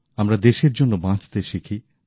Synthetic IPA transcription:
amɾad̪eʃeɾd͡ʑonːobãt͡ɕt̪eʃikʰi

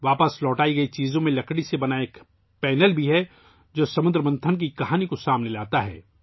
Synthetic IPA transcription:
ʋaːpəslɔːʈaːiɡɐit͡ʃiːzõmẽlɐkɽisebɐnaeːk | pɛːnəlbʱiɦɛ | d͡ʒoːsɐmʊ̃nd̪ɾəmɐ̃nt̪ʰənk̬ikɐɦaːnikosaːmnelaːt̪aɦɛ̰ː

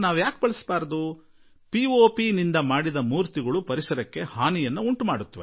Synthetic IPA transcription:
naːʋjaːk̚bɐɭisbaːɾɐd̪u | pioːpinind̪ɐmaːɽid̪ɐmuːɾt̪iɡɐɭupɐɾisɐɾɐkːe̞haːnijɐnːuuɳʈumaːɽut̪ːɐʋe

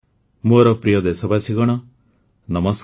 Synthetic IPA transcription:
moɾɔpɾijɔd̪esɔbasʰiɡɔɽ̃ɔ | nɔmɔs

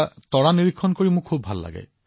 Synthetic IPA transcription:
tɔɹaniɹikʰːɔnkoɹimʊkʰːubʱa̰lːa̰ɡɛ̰

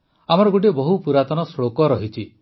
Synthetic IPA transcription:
am̤ɔɾɔɡuʈ̬ebɔɦupuɾat̪ɔnɔsɭokɔɾɔɦit͡ʃʰi

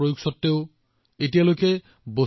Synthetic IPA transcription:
ojuksɔtːeʊ | etialojke | bo

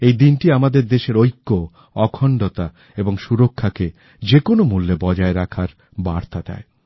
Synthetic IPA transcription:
ejd̪inʈiamad̪eɾd̪eʃeɾojkːo | ɔkʰɔɳɖot̪a | eboŋʃuɾokʰːake | d͡ʑekonomulːebɔd͡ʑaeɾakʰaɾ | baɾt̪ad̪a̰e

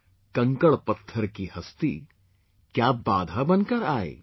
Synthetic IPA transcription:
kɐ̃ŋkəɭpɐt̪ʰːəɾkihɐst̪ḭ | kjabaːd̪ʱabɐnkəɾaːḛ

